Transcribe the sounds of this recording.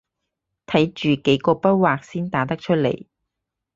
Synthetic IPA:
t̪ʰɐ˨˥jt͡ʃyː˨ke˨˥jkɔː˧pɐ˥t̚waː˨k̚siː˥nt̪aː˨˥t̪ɐ˥k̚t͡ʃʰɵ˥t̚lḛ˨˩j

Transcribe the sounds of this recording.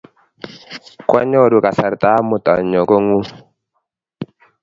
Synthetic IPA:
kwa˦ɲɔ˦˨du˨ka˨sa˨ɾta˦mʊ˨ta̰˨ɲɔ˨ko˦ŋu˦

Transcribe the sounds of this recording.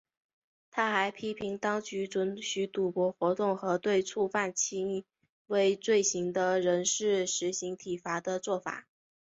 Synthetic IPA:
t̪ʰa˥xa˧˥ɪpʰi˥pʰi˧˥ŋt̪ɑ˥ŋt͡ɕy˧˥ʈ͡ʂwə˧˥nɕy˧˥t̪u˨˩pwɔ˧˥xwɔ˧˥t̪ʊ˥˩ŋxɤ˧˥t̪we˥˧ɪt͡sʰu˥˧fa˥˩nt͡ɕʰi˥˧ŋ˥˧ | we˥ɪt͡swe˥˩ɪɕi˧˥ŋd̪ə˧ɻə˧˥nʂɻ̩˥˩ʂɻ̩˧˥ɕi˧˥ŋt̪ʰi˨˩fa˧˥d̪ə˧t͡swɔ˥˩fa̰˨˩˦

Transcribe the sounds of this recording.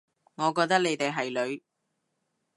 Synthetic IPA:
ŋɔː˨˧kɔː˧k̚t̪ɐ˥ne˨˧jt̪e˨jɦɐ˨jlɵ˨˧ɥ

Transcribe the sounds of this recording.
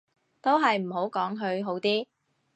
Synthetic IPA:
t̪o˥wɦɐ˨jm̩˨˩ɦo˨˥wkɔː˨˥ŋɦɵ˧ɥɦo˨˥wt̪iː˥

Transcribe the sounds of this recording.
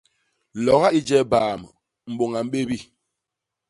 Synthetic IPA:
lɔ˨ɣa˦i˦d͡ʒɛ˦baː˨m | m̩˨ɓo˨ŋa˨m̩˦ɓe˦bi˦

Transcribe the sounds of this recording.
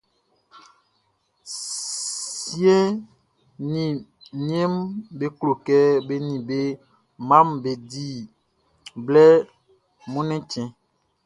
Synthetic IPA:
sje˦ | nĩ˨ni˦e˦mbe˦klo˨kɛ˦be˦nĩ˨be˦ | mã˦mbe˨di˦ | blɛ˦ | mũ˦nɛ̃˦t͡ʃɛ̃˨

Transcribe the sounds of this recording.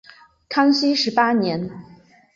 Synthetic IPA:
kʰɑ˥ŋɕi˥ʂɻ̩˧˥pa˥njɛ˧˥n

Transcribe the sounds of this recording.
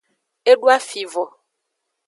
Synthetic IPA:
e˦ɖu˦a˦fi˨vɔ˨

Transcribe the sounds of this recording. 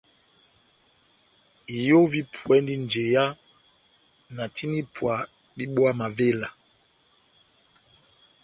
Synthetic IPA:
i˨jo˦vi˦pʰwɛ˦ndi˦nd͡ʒe˨ja˦ | na˨ti˦ni˦pʰwa˨ | ɗi˦ɓwa˦ma˨ve˦la˨

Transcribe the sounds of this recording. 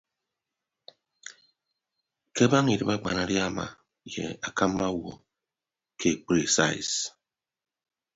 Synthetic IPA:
ke˦ba˦ŋi˨ɾi˦ba˦ɡ͡ba̰˨na˦ɾja˦ma̰˨ | jḛ˨a˨ka˦m˦ba˦wo˨ | kʰe˨k͡pɾi˨sa̰˦˨i˨s

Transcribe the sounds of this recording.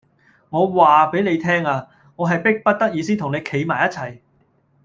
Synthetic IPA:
ŋɔː˨˧waː˨pe˨˥jne˨˧jt̪ʰɛː˥ŋaː˧ | ŋɔː˨˧ɦɐ˨jpɪ˥k̚pɐ˥t̚t̪ɐ˥k̚jiː˨˧siː˥nt̪ʊ˨˩ŋe˨˧jkʰe˨˥jmaː˨˩jɐ˥t̚t͡sʰɐ˨˩j

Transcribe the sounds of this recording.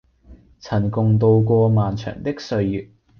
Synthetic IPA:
t͡sʰɐ˨˩nkʊ˨˧ŋt̪o˧wkʷɔː˧maː˨nt͡ʃʰœ̰ː˨˩ŋt̪ɪ˥k̚sɵ˧ɥjyː˨˩t̚

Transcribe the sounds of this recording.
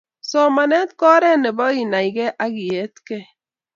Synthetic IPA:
sɔ˨˦ma˨ne˦t̚kɔ˦ɾe˦˨ne˨bɔ˦i˨na˨i˨ɡe˦ʔa˦ɡi˨je˨˦tke˦

